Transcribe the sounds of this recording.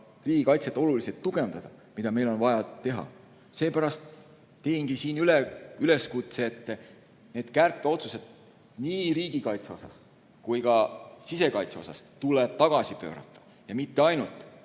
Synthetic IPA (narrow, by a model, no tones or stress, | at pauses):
riːɡ̥ikɑjt̪set̪ːˑo̞luliset̪ːuɡ̥e̞nd̪̥ɑd̪̥ɑ | mid̪ɑme̞jlo̞nvɑjɑt̪e̞ɦɑ̰ | se̞ːpæɾɑst̪ | t̪e̞inɡ̥isiːnyleyle̞skut̪seːt̪ːe | neːd̪̥kærpːˑeo̞t̪sused̪̥ | niːriːɡ̥ikɑjt̪seo̞sɑ̰s | kujkɑsise̞kɑjt̪se̞o̞sɑ̰st̪uleb̥̚t̪ɑɡ̥ɑsipø̞̰ːɾɑ̰t̪ːˑɑ̥ | jɑmit̪ːe̞ɑjnult̪ˑ